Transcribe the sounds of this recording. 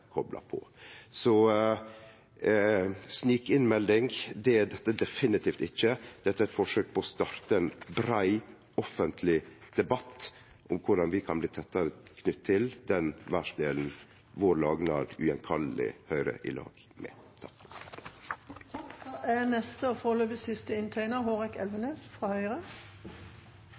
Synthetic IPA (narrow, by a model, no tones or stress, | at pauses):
kʰɔblɑ̰pʰɔ̰sɔ | sniːkɪnmɛld̪ɪŋɡd̪ɛæd̪ɛt̪ːəd̪ɛfɪnɪt̪ʰiːft̪ɪçːəd̪̥ɛt̪ːəɛt̪fɔʂøːk̚pʰɔɔst̪ɑːɾt̪əɛnbɾæɪ | ɔfənt̪ʰlɪd̪̥ɛbɑt̪ː | ʔʊmkʰʊɖɑnʋɪkʰɑnbliːt̪ʰɛt̪ːəɾəkʰnʏt̪ʰːɪld̪ɛnʋæʂd̪eːln̩ | ʋoːɾlɑːɡnɑd̪ʉɛnkʰɑlːɪ̰hœʏɾə̰ʔɪ̰lɑ̰ːɡ̥ | mɛ̰ː | t̪ʰɑ̥k | ænɛst̪əofoːløːbəsɪst̪əɪnt̪ʰæɪnəɦoːʁɛkɛlʋəneːsfʁɑːhœʏʁə